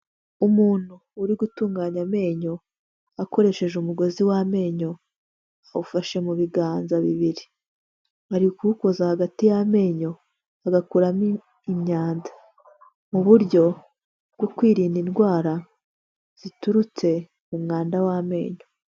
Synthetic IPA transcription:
umuːn̥huːɾiɡutuːŋɡaːɲame̞ːɲo̞ | ako̞ɾe̞ʃe̞ʒumuɡo̞ziwame̞ːɲo̞ | aβufaʃe̞muβiɡaːnzaβiβiɾi | haɾikuko̞zahaɡatijame̞ːɲo̞ | aɡakuɾam | imɲaːnzḁ | muβuɾɟo̞ | bɡokwiːɾiːndinɡwaːɾa | z̥ituɾut͡se̞ | mumŋaːndawame̞ːɲo

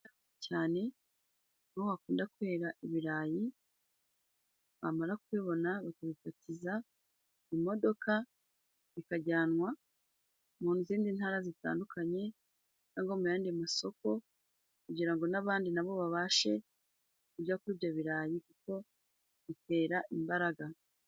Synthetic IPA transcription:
caːne̞ | noohakuːndakuhe̞ːɾaʔiβiɾaːji | βa̰maɾakweːβo̞naβakaβifatiza | imo̞do̞ka | ikaɟaːnŋwa | muːnuziːndin̥haːɾazita̰ːndukʰaɲe̞ | kaːŋɡo̞mujaːndiamaso̞ko̞ | kuɟiɾaŋɡo̞naβaːndinaβo̞βaβaːʃe̞ | kuɟakuiβjaβiɾaːjikuko̞ | βite̞ːɾaʔimbaɾaɡa

